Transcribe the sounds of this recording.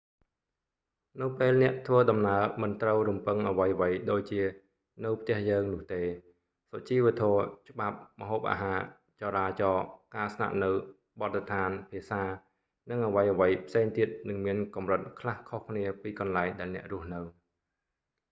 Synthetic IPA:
nɨwpeːlnɛ̆əʔt̪ʰʋəːɗɑmnaəmɨnt̪rəwrumpɨŋʔəʋəjʋəjɗoːc̚t͡ɕiə | nɨwpʰt̪ɛ̆əhjəːŋnʊ̆əht̪eː | sɔt͡ɕiːʋə̆t̪ʰɔət͡ɕə̆ɓap̚məɦoːp̚ʔa̰ːɦaː | t͡ɕɑɾaːt͡ɕɑːkaːsna̰ʔnɨw | ɓɑt̪̚ːt̪ʰaːnpʰiəsaː | nɨŋʔəʋəjʔəʋəjpʰseːŋt̪iət̪̚nɨŋmiənkɑmrɨt̪̚kʰlahkʰohkʰniəpiːkɑnlaɛŋɗaɛlnɛ̆əʔrʊ̆əhnɨw

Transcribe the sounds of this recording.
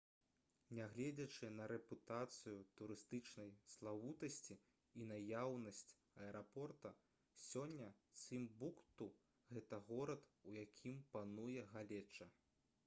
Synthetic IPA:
nʲaɣlʲɛd͡zʲɐt͡ʂɨnɐɾɛput̪at̪sɨjut̪uɾɨst̪ɨt͡ʂnɐjslˠawut̪ɐsʲt͡sʲi | inajawnɐsʲt͡sʲ | ɐɛɾʔapɔrt̪ɐ | sʲɔnʲːɐsɨmbukt̪u | ɣɛt̪ɐɣɔɾɐt̪ujakʲʰimpanujɛɣalʲɛt͡ʂːɐ

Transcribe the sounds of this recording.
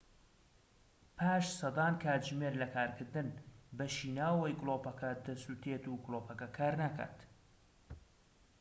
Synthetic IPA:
pʰaːʃsɐd̪ɑːnkʰaːt̪ʒmeɾlɐkʰaːɾkʰɨɾd̪ɨnbɐʃiːnaːwwɐjɡlopɐkɐd̪ɐsut̪ʰeːt̪uɡʊloːpʰɐkɐkʰaːɾnakʰa̰ːt̪

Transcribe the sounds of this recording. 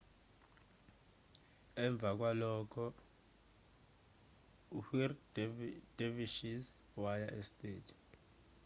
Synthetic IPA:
ɛɱb̪vʱak̬walɔːkʰɔ | uhir | d̥eviʃis | wajaʔestʼeːdʱi

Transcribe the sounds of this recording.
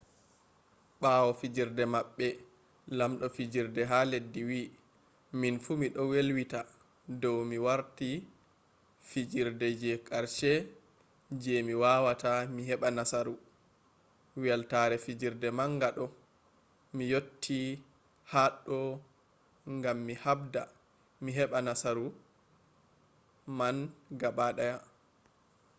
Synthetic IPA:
ɓawɔfid͡ʒiɾdɛmaɓːɛ | lamɗɔfid͡ʒiɾdɛɦaledːiwi | minfumiɗɔwelwita | dɔwmiwaɾti | fid͡ʒiɾdɛd͡ʒɛkʼaɾʃɛ | d͡ʒɛmiwawatamiɦɛɓanasaɾu | wɛltaɾɛfid͡ʒiɾdɛmaŋɡaɗɔ | mijotʰːi | haɗːɔ | ŋɡamːihabda | miɦɛɓanasaɾu | manɡaɓaɗaja

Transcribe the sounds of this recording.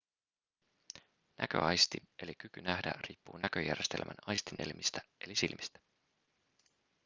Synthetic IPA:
næ̰kø̞̰ɑjst̪ie̞lik̟ykynæhdæ̰riːpːuːnæk̟øjærje̞st̪e̞̰lmʔæ̰nɑjst̪inʔe̞̰lmist̪æe̞lisilmist̪æ̥

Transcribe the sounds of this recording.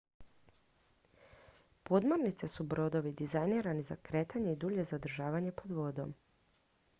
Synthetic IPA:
po̞d̪moɾnit̪sesubɾo̞d̪o̞ʋid̪izajniːɾaniza̰kɾe̞ːt̪ʰaɲe̞id̪uːʎe̞zad̪ɾ̩ʒaːʋaɲe̞po̞d̪ʋo̞d̪o̞̰m

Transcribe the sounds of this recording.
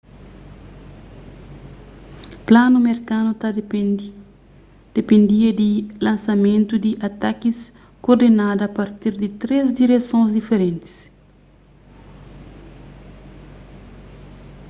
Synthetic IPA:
planumeɾkanut̪a | d̪̥epẽnd̪iɐd̪ilãnsɐmẽnt̪ud̪iʔat̪akis | koɾd̪enad̪ɐapaɾt̪iɾd̪it̪ɾezd̪iɾesõzd̪ifeɾẽnt̪i̥s

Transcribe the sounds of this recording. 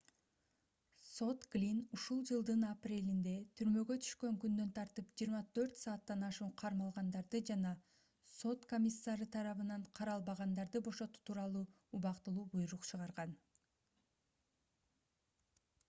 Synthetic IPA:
so̞t̪ɡlʲinuʃulˠd͡ʒɯlˠd̪ɯnɑprʲe̞lind̪e̞t̪ʰyɾmø̞ɡø̞t̪ʰy̥ʃkø̞ŋkynd̪ø̞nt̪ʰɑɾt̪ɯpd͡ʒijːɾmɑt̪ʰø̞ɾt̪sɑːt̪ːɑnɑʃuːqʰɑɾmɑlˠʁɑnd̪ɑɾd̪ɯd͡ʒɑnɑ | so̞t̪ko̞mʲisːaɾɯt̪ʰɑɾɑβɯnɑɴqʰɑɾɑlˠbɑʁɑnd̪ɑɾd̪ɯbo̞ʃo̞t̪u̥t̪ʰuːɾɑlˠuː | uβɑqt̪ɯlˠuːbujɾuqt͡ʃʰɯʁɑɾʁɑn

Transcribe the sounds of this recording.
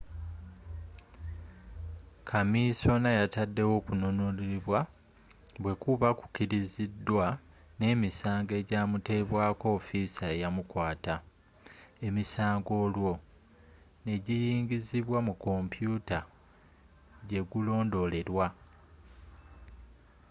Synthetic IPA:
kʰamiso̞najatadːe̞wo̞ːkuno̞noliiβwa | βwe̞kuβaku̥ciɾizidːwa | ne̞ːmisaːŋɡe̞ɟaːmute̞βwaːko̞ːfisaejamukwaːta | e̞misaːŋɡo̞ːlwo̞ | ne̞ɟijiːɲɟiziβwamuko̞mpjuːta | ɟe̞ɡulo̞ːndo̞le̞ɾwa

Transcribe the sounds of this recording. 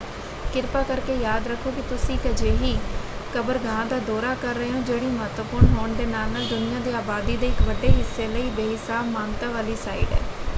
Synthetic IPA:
kɪɾpaːkəɾkeːjaːd̪ɾəkʰːoːkɪt̪ʊsĩːkəd͡ʒeːɦiːkəbəɾɡãːd̪aːd̪ɔːɾaːkəɾːəɦeɦõːd͡ʒeːɽiːməɦət̪wəpʊɾɳɦoːɳd̪eːnaːlnaːld̪ʊnɪjãːd̪iːaːbaːd̪iːd̪eːɪkʋəɖeːɦɪsːeːləiːbeːɦɪsaːbmaːŋt̪aːʋaːliːsaːḭːɖɛ̰ː

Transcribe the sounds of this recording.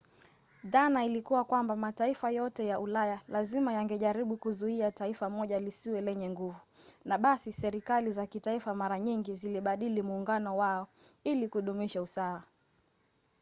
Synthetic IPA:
ðanailikuwakwambamataifajɔtɛjaʔulajalazimajaŋɡɛʄaɾiɓukuzuiataifamɔʄalisiwɛlɛɲɛŋɡuvunaɓasisɛɾikalizakitaifamaɾaɲiŋɡiziliɓaɗilimuːŋɡanɔwaɔilikuɗumiʃausaa

